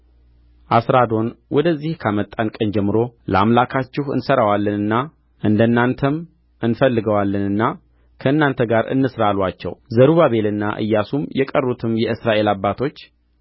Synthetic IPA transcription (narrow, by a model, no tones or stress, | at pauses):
ʔasɾad̪o̞nwʔɔd̪əzːihkʰamət̪ʼːankʼənd͡ʒɛmːɨɾo̞ləa̰mlakʰat͡ʃːɪhɨ̰nsəɾawalːɨnɨnːa | ʔɨnd̪ənːant̪ʰəm | ɨnfəlːɨɡəwalːɨnɨnːa | kʰəɨnːant̪ʰəɡaɾɨ̰nːɨsɾalwat͡ʃːɛ̰wzəɾuβaβe̞lɨnːa̰ʔɨ̰jːasumjɛkʼərːut̪ʰɨmjɛɨsɾaʔe̞labːat̪ʰo̞t͡ʃː